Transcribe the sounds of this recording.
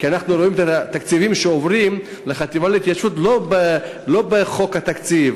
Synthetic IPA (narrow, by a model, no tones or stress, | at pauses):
kianaχnuɾoimet̪at̪akt͡sivimʃeovʁim | leχat̪ivaleit̪jaʃut̪lobe | lo̞beχokhat̪akt͡siv